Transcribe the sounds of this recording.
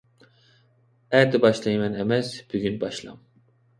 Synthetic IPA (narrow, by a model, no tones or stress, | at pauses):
æɾd̪ɛbɑʃlˠɑjmɛnɛmɛsb̥yɡʲynbɑʃlˠɑ̰m